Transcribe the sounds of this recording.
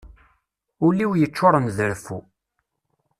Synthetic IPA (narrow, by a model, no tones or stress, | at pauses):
ʊlːiwjət͡ʃːʊɾˤənðəɾfu